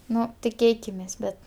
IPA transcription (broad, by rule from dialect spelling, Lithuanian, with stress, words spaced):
ˈnʊ tʲɪˈkʲeːkʲɪmʲeːs ˈbʲɛt